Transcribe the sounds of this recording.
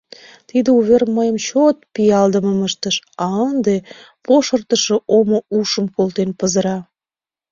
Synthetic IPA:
t̪id̪əuβerməjəmt͡ɕot̪̚pijɑld̪əməməʃt̪əʃɑənd̪e | poʃərt̪əʃə̆ʔomouʃəmkolt̪enpəzəɾɑ

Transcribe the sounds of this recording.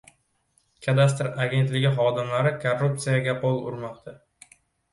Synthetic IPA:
kʲʰad̪ast̪ɾaɡʲe̞nt̪lɪɡʲɪχɒd̪ɪmlaɾɪkʰorːup̚t̪sijaɡʲapʰolˠʊ̰ɾmɒqt̪ʰa

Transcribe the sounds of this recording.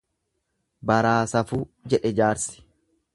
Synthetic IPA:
bɐɾaːsɐfuːd͡ʒɛᶑɛd͡ʒaːɾsɪ̥

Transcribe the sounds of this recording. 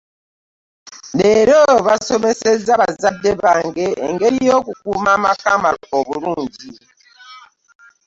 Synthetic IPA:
leɾoβasomesezaβazadːeβaŋɡḛːŋɡeɾijokukumamakamalooβuɾuːɲɟi

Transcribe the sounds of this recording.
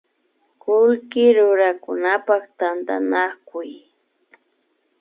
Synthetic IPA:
kʊlkɪɾʊɾakʊnapakt̪ant̪a̰nakʊj

